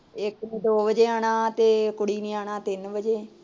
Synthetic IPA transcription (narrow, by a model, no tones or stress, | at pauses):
ɪkniːd̪oːʋəd͡ʒeːaːɳ̃aːt̪eːkʊɽiːnĩːaːɳaːt̪ɪnbəd͡ʒeː